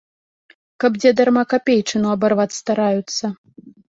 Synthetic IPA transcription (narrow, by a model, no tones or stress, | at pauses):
kɐbd͡zʲɛd̪armakapʲejt͡ʂɨnuɐbarvat̪st̪aɾajut̪sːɐ